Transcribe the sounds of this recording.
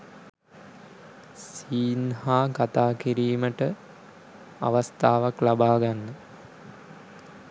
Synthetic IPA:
siːnhaːkat̪aːkiɾiːməʈə | a̰ʋast̪aːʋaklabaːɡanːə

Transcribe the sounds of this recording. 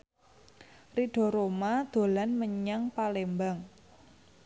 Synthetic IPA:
riɖ̥ɔ̤ɾomad̪̥o̤lanməɲaŋpalembaŋ

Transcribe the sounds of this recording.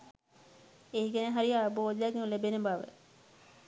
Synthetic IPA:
eiɡeneɦaɾiaboːd̪jaɡeŋlebenebaʋə̰

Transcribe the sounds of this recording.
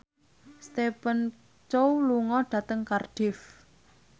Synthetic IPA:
st̪epən | t͡ʃowluŋɔɖ̥ä̤t̪əŋkarɖ̥ɪf

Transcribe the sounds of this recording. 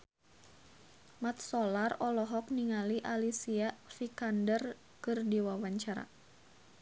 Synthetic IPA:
mat̪̚sɔlarɔlɔɦɔk̚niŋaliʔalisiafikandər | kɨrdiwawaɲt͡ʃaɾa̰

